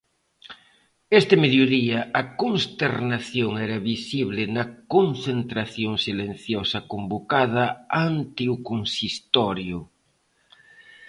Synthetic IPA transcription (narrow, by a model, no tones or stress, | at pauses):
est̪emeðjoðiɐʔɐkonst̪eɾnaθjoŋɛɾɐβisiβlɪnɐkonθent̪ɾaθjoŋsilen̟θjɔsɐkombokaðɐant̪eukonsist̪ɔɾjʊ